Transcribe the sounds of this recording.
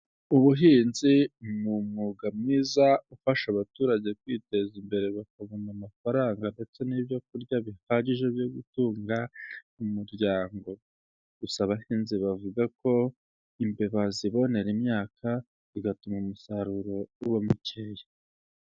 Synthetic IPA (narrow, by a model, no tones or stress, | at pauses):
uβuɦiːnzinumŋuɡamŋiːzaufaʃaβatuːɾaɟe̞kwiːte̞zimbe̞ɾe̞βakaβonamafaɾaːŋɡande̞t͡se̞nibjo̞k̚uɾɟaβihaɟiʒe̞βjoɡutuːŋɡa | umuɾɟaːŋɡo̞ | ɡusaβahiːnziβavuɡako̞ | imbe̞βaziβo̞ne̞ɾimɲaːkʰa | iɡatumaumusaɾuɾo̞uβamuceje